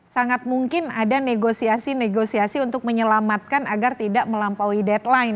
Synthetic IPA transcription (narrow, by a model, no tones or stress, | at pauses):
saŋat̪̚muŋkɪnadaneɡosiasineɡosiasiunt̪ʊk̚məɲəlamat̪̚kanaɡart̪idaʔməlampawidɛt̪̚laɪn